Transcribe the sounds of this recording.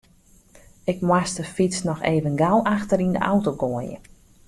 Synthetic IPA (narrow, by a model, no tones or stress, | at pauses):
ɪkmwastəfisnɔxeːvənɡalˠaxtərində̰ʔa̰wtoɡoəjə̰